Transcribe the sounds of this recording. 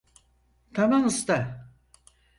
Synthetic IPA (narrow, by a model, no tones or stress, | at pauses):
t̪ʰamamɯst̪a